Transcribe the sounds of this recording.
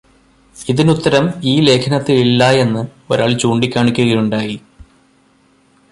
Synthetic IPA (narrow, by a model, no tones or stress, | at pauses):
iðinut̪ːɐɾɐmiːle̞ːkʰɐnɐt̪ːiilːɐje̞nːɨo̞̰ɾa̰ːɭt͡ɕuːɳɖikʲːaːɳikʲːuɣɐjuɳɖaːji